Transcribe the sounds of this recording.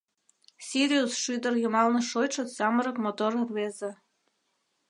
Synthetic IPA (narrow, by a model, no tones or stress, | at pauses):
sʲiɾʲiusʃyd̪ɤ̆rjumɑlnɤ̆ʃojʃŏsɑmɤɾɤ̆kmot̪orrβezĕ